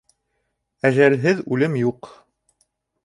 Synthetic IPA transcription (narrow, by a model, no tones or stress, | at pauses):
æʒælɦɘðʉlɘmjuq